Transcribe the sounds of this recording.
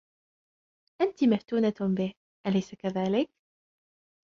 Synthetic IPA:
ʔant̪imaft̪uːnabɪh | ʔalajsakaðaːlɪk̚

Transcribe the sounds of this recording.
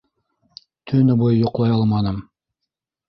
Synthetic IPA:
t̪ʰɵnɘbojjŏqlˠɑjɑlˠmɑnɤm

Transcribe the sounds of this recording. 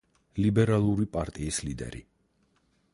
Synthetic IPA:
libɛɾalˠuɾipʼaɾt̪ʼiːslid̪ɛ̰ɾḭ

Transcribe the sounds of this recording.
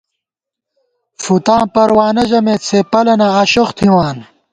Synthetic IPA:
fut̪ãːpɐɾwaːnɐʑɐmeːt͡sʰepɐlɐnɐʁɐɕoxt̪ʰiwaːn

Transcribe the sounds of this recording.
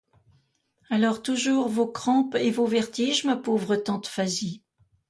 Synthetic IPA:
alɔʁt̪uʒuʁvokχɑ̃pevovɛʁt̪iʒmapovʁət̪ɑ̃t̪fazi

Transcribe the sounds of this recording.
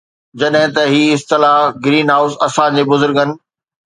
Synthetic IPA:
d͡ʑɐɗɦɪ̃t̪ɐɦiːɪst̪ɪlaːɦɡɾiːnɦaːʊsɐsãd͡ʑeːbʊzʊɾɡənɪ̆

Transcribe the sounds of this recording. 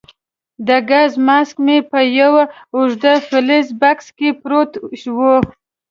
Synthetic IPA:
d̪əɡazmask̚mepəjawaʊʒd̪afɪlizbakskepɾot̪ʃwo

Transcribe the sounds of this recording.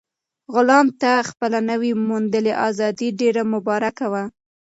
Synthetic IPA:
ɣʊlɑmt̪axpəlanəwimund̪əleʔɑzɑd̪iɖeɾamʊbɑɾakawa

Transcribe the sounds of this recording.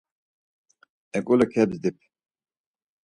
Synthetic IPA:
ɛkʼulɐkʰɛbzd̪ip̚

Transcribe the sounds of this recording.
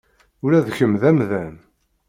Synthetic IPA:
ʊɾæðçəmðæmðæm

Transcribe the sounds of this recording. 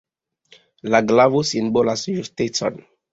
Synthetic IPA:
laɡlavusĩnbolasjustetɔ̰̃n

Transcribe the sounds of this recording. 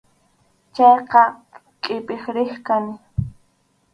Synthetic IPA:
t͡ʃɑjqɑ | kʼɪpɪχɾɪχkanɪ

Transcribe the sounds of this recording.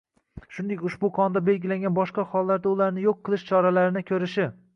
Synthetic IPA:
ʃʊnd̪ekʲʊʃbʊqʰɒnd̪abe̞lɡʲɪlaŋɡʲanbɒʃqɑχɒlˠːaɾd̪aʊlaɾnɪjoqʰːɨlˠɪʃt͡ʃʰɒɾalaɾɪnɪkʲʰɵɾɪʃɪ

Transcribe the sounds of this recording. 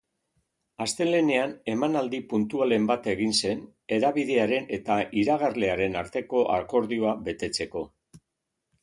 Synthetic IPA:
ast̪e̞le̞ne̞ane̞manald̪ipunt̪uale̞mbat̪e̞ɣ̞inse̞n | e̞ɾaβiðe̞aɾe̞ne̞t̪aʔiɾaɣ̞arle̞aɾe̞naɾt̪e̞ko̞ʔa̰ko̞ɾðio̞aβe̞t̪e̞t͡se̞ko̞

